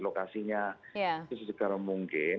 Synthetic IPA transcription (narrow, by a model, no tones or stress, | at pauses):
lokasiɲajaʊsəsəkaɾaŋmuŋkɪ